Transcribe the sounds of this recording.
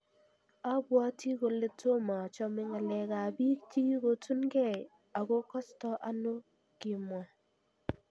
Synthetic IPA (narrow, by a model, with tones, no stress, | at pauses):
a˦bwa˦tʰi˦ɡo˨lɪ˦tʰo˦ma˨t͡ʃɔ˦mɪ˦ŋa˨lɛ˨ɡa˨bi˦kti˦ɡo˦tu˦nɡɛ˦˨ | a˨ɡo˦kɔ˦stɔ˦ʔa˦no˦ | ɡ̥i˨m˨ɔ˨